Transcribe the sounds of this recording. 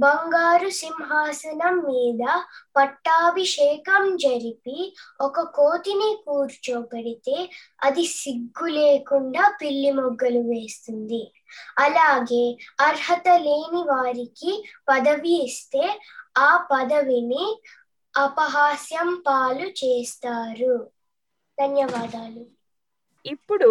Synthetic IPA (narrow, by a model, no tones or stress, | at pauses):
bɐŋɡaːɾusimɦaːsɐnɐmːiːd̪ɐpɐʈːaːʋiʃɛːkɐmd͡ʒɐɾipiɔkɐkoːt̪inikuːɾt͡ʃoːbɐɽit̪eː | ɐd̪isiɡːuleːkuɳɖaːpiɭːimɔɡːɐluʋeːst̪und̪i | ɐlaːɡe̞ːɐɾhɐt̪ɐleːniʋaːɾikipɐd̪ɐʋiːst̪e̞ːaːpɐd̪ɐʋini | ɐpɐɦaːsjɐmpaːlut͡ʃeːst̪aːɾu | d̪ɐnjɐʋaːd̪aːlu | ipːuɽu